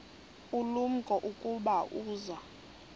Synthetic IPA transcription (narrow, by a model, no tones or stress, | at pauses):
ulum̩kʼɔʔukʼuɓaʔuːza